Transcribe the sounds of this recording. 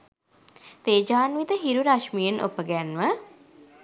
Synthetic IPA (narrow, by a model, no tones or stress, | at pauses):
t̪eːd͡ʒaːnʋit̪əɦiɾuɾaʃmijenʔo̰pəɡænʋə